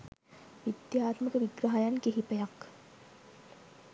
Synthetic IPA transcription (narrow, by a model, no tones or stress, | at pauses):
ʋid̪jaːt̪məkəʋiɡɾaɦajankeɦipəjak